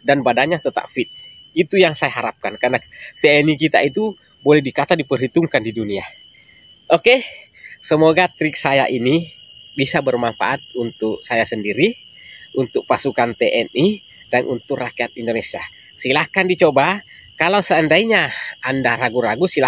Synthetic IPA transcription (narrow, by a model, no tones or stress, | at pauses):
danbadaɲat̪ət̪a̰ʔfit̪̚it̪ujaŋsajaɦaɾap̚kankarnat̪eɛnikit̪a̰it̪u | bolɛhdikat̪adipərɦit̪uŋkandidunia | ʔoke | səmoɡat̪ɾɪk̚saja̰ʔinibisabərmanfa̰ʔat̪̚unt̪ʊk̚sajasəndiɾi | unt̪ʊk̚pasukant̪eʔɛni | danʔṵnt̪ʊkrakiat̪indonesia | silahkandit͡ʃoba | kalausəəndaiɲaandaɾaɡuɾaɡusila